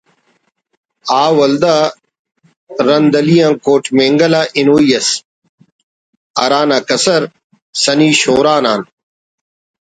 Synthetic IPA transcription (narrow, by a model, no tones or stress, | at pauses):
aːwɐld̪a | ɾɐnd̪ɐlijãːkoːʈmẽːŋɡɐlaːʔinoːijɐs | ɐɾaːnaːkɐsɐɾ | sɐniːɕoːɾaːnaːn